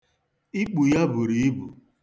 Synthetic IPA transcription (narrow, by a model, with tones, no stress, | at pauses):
i˦k͡pu˨ja˦bʊ˨ɾi˨i˦bu˨